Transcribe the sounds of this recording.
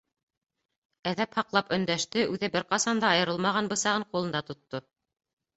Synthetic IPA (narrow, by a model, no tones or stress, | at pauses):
æðæphɑqlˠɑpɵ̆nd̪æʃt̪ɘʔʉðɘbɘɾqɑsɑnd̪ɑɑjɤ̆ɾɤlˠmɑʁɑnbɤ̆sɑʁɤɴqulˠɤ̆nd̪ɑt̪ŏt̪ːo